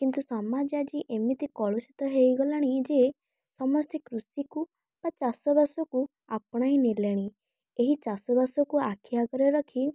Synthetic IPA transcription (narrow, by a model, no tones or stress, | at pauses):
kint̪usamad͡ʒad͡ʒiʔemit̪ikɔɭosit̪ɔɦejɡɔlaɽ̃id͡ʒe | sɔmɔst̪ʰikɾusiku | b̥at͡ʃasɔbasɔku | apɽ̃ainileɽ̃i | eɦit͡ʃasɔbasɔkuakʰjaɡɔɾɔɾɔkʰi